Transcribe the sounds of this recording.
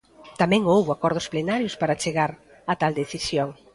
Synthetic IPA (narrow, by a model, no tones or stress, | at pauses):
t̪amɛ̃ŋowβakɔɾð̞ʊsplenaɾjʊspaɾat͡ʃeɣaɾ | at̪ald̪eθisjoŋ